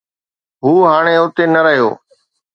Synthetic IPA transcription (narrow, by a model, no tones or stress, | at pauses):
ɦuːɦaːɽ̃eːʊt̪eːnəɾəɦijo̰ː